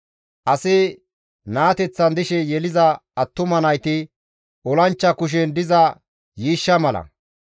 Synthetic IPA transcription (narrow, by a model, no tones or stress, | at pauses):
ʔɐsɪ | naːt̪ɛt͡sːɐnd̪ɪʃɛjɛlɪzɐːt̪ːʊmɐnɐjt̪ɪ | ʔɔlɐnt͡ʃːɐkʊʃ̬ɛnd̪ɪzɐ | jiːʃːɐmɐlɐ̰